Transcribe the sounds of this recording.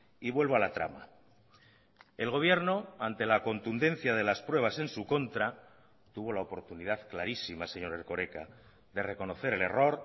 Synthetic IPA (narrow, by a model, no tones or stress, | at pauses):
iβwe̞lβoalat̪ɾa̰ma | e̞lɣ̞o̞β̞je̞ɾno̞ant̪e̞lako̞nt̪und̪ẽ̞n̟θjað̞e̞laspɾweβ̞ase̞nsuko̞nt̪ɾa | t̪uβ̞o̞laopo̞ɾt̪uniðaðklaɾisimase̞ɲo̞ɾe̞ɾko̞ɾe̞ka | ðe̞re̞ko̞no̞θe̞ɾe̞le̞ro̞ɾ